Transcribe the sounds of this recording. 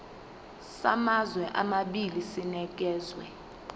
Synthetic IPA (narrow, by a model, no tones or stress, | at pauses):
samazwɛʔamaɓilisinɛk̬ɛːzwɛ̰